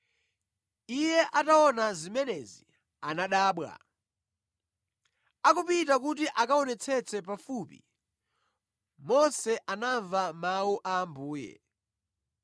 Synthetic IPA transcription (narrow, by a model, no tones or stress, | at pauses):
ijɛʔataɔnazimɛnɛzi | anaɗaːɓwa̰ | akupitak̬ut̬iʔakaɔnɛt͡sʰɛt͡sʰɛp̬afuːpḭ | mɔsɛʔanaɱvamawuʔaːmbuːjɛ̰